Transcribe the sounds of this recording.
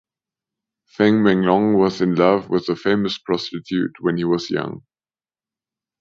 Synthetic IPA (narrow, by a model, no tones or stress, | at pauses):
fæ̃ŋmæ̃ŋlɔ̃ŋwʌzɨ̃nlʌvwɪðəfẽɪ̃məspʰɹ̥ɑstɨtʰjʉt̚wɨ̃niwʌzjʌ̰̃ŋ